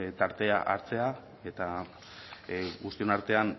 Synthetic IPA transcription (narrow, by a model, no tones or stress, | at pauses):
t̪aɾt̪e̞aʔaɾt͡se̞a | e̞t̪a | ɣust̪io̞naɾt̪e̞an